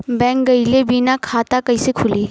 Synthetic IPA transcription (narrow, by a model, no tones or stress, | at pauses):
bɛ̃ŋk̚ɡəjlebinakʰat̪akəjsekʰuliː